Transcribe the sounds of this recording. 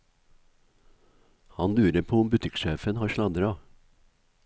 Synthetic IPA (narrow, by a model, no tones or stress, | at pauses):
hɑnlʉːɾəpʰoːʊmbʉt̪ʰɪkʃeːfənhɑːɾʃlɑd̪ɾɑː